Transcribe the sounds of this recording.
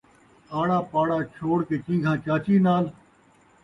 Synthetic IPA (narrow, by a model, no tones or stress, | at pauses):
aːɽaːpaːɽaːt͡ʃʰoːɽkeːt͡ʃĩːɡʱãːt͡ʃaːt͡ʃiːnaːl